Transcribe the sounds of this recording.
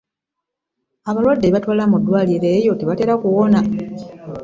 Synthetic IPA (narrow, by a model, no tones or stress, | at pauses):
aβalwadːeβatwaːlamudːwaːliɾe̞jo̞teβate̞ːɾakuwo̞na